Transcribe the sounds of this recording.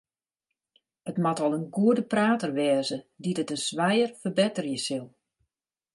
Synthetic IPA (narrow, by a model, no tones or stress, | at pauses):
ətmatɔlˠənɡuədəpraːtərʋɛːzədidətənsʋɛjərfərbɪtərjəsilˠ